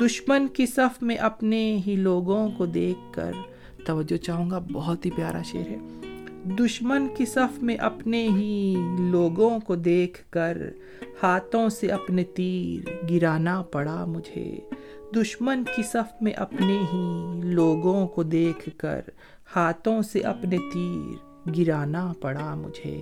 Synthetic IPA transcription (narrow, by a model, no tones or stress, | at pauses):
d̪ʊʃmənkisɐfʰmẽʔɐpneɦiloːɡõkod̪eːkʰːə̰ɾ | t̪ɐʋəd͡ʒːot͡ʃaːɦũːŋɡabɔɦɔt̪ɦipjaːɾʔa̰ʃḛːəɾɦɛ̰ːd̪ʊʃmənkesɐfʰmẽʔɐpneɦiloːɡõkod̪eːkʰkəɾ | haːt̪õseʔɐpnet̪iːɾɡɪɾaːnapɐɽamʊd͡ʒʱḛ | d̪ʊʃmənkisɐfʰmẽʔɐpneɦiloːɡõkod̪eːkʰkə̰ɾ | haːt̪ʰõseʔɐpnet̪iːɾ | ɡɪɾaːnapɐɽamʊ̰d͡ʒʱḛː